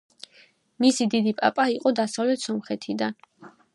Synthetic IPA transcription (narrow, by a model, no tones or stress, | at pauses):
misid̪id̪ipʼa̰pʼaiqʼɔd̪asavlɛt̪ʰsɔmχɛt̪ʰid̪an